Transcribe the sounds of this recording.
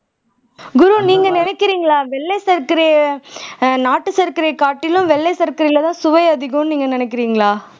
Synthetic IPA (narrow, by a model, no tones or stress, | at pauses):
ɡʊɾuniːŋɡɐnɪnɛkːɪɾiːŋɡɐɭaːʋɛɭːɛsɐɾkɪɾɐjɐ | naːʈːɯsɐɾkɪɾɐjɐkaːʈːɪlʊ̃mʋɛɭːɛsɐɾkɐɾɐlɐt̪ãːsʊʋɐɪɐðɪɣʊ̃nniːŋɡɐnɪnɛkːɪɾiːŋɡɐɭaː